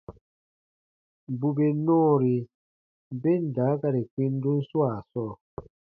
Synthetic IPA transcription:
m˨bu˨be˨nɔː˦˨ɾi˨ | m˨be˦n̩˨da˨˦ka˦ɾe˨kwi˦n˦du˦n̩˦swa˦˨sɔ˦˨

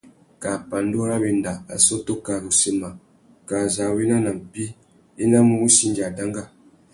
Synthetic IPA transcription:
ka˨pa˨n˦do˦ɾa˦be˨n˦da˨a̰˨so˦to˦ka˨ɾu˨se˨ma˨ | ka˨za˨we˦na˦na˨m˨pi˦ | i˦na˦mu˦u˦si˦nd͡ʒa˨da˦ŋɡa˦˨

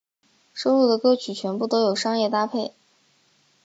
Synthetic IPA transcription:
ʂo˥ʊlu˥˩d̪ə˩kɤ˥t͡ɕʰy˨˩t͡ɕʰɥɛ˧˥npu˥˩t̪o˥ʊjo˨˩ʊʂɑ˥ŋjɛ˥˧t̪a˥pʰe˥˩ɪ

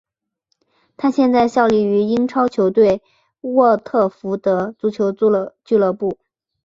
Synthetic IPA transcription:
t̪ʰa˥ɕjɛ˥˧nt͡sa˥˧ɪɕjɑ˥˧ʊli˥˩y˧˥i˥ŋʈ͡ʂʰɑ˥ʊt͡ɕʰjo˧˥ʊt̪we˥˩ɪ | wɔ˥˧t̪ʰɤ˥˩fu˧˥d̪ə˧t͡su˧˥t͡ɕʰjo˧˥ʊ˧t͡ɕy˥˧lɤ˥˧pu˥˩

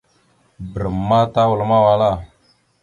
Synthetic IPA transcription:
bə˨ɾə˨mːa˦ta˦wə˨lma˦wa˨la˦˨

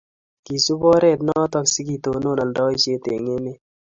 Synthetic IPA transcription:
ki˨su˦bɔ˦ɾɛ˦˨t̪nɔ˦t̪ɔ˦ksi˦ki˨t̪o˨no˦˨na˨ndɔ˦i˦ʃe˦te˨ŋe˦me˦

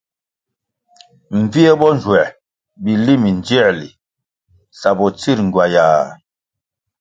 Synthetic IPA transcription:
m̩˨vi˦ɛ˦bɔ˦n˨d͡ʒwɛ˨ | bi˨li˦mi˨nd͡ʒɛ˦˨li˨ | sa˨bɔ˨t͡si˦ɾŋ˨ɡwa˨jaː˨

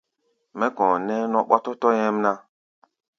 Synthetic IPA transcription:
mɛ˦kɔ̃˨nɛ˦nɔ̃˦ɓɔ̰˦tɔ˦tɔ˦jɛ̃˦mna˦

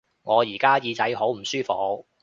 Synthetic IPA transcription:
ŋɔː˨˧jiː˨˩kaː˥jiː˧t͡sɐ˨˥jɦo˨˥wm̩˨˩syː˥fɔ˨˧˥k̚

